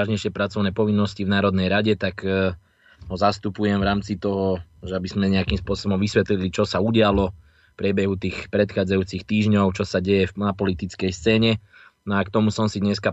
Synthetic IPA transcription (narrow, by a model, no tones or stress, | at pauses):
aʒɲɛjʃɪɛpɾat͡sɔʊnɛːpɔʋinːɔscivnaːɾɔd̪nɛjɾaɟɛt̪ak | ɦɔzast̪upujɛmvɾaːmt͡sit̪ɔɦɔʒɛabizmɛɲɛakimspʊɔsɔbɔmʋisʋɛt̪lilit͡ʃɔsauɟɪalɔ | fpɾɪɛbɛɦut̪iːxpɾɛt̪xaːd͡zajuːt͡sixt̪iːʒɲɔʊt͡ʃɔsaɟɛjɛfnapɔlit̪it͡skɛjst͡sɛːɲɛnɔakt̪ɔmusɔmsid̪ɲɛska